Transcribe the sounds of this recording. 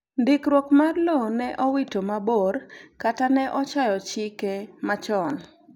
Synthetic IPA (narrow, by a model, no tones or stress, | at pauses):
ndɪkɾwokmarlonɛʔɔwitomaborkatanɛʔɔt͡ʃajɔt͡ʃɪkemat͡ʃɔn